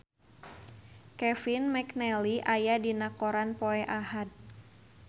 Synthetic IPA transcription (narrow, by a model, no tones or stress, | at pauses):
kɛfinmɛknɛliʔajadinakoɾanpoɛʔahad̪̚